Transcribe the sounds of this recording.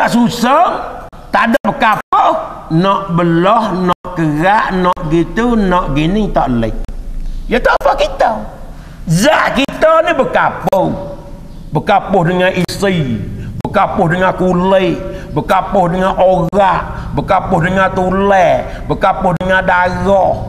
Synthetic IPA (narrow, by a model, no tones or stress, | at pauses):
aʔsusəŋt̪adəʔbəkapənɔʔbəlɔhnɔʔkəɣaʔnɔʔɡit̪unɔʔɡinɪŋt̪ɔʔlɪ̰k̚jat̪ɔpakit̪ə | zaʔkit̪ənəbəkapəw | bəkapʊhdəŋaʔisəbəkapʊhdəŋakuləʔbəkapʊhdəŋaʔoɣaʔ | bəkapʊhdəŋat̪ulɛ | bəkapʊhdəŋadaɣɔh